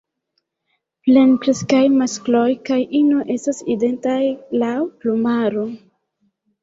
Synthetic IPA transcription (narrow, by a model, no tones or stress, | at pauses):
ple̞nkɾe̞skajmasklo̞jkajʔinoʔe̞staside̞ntajlawplumaɾo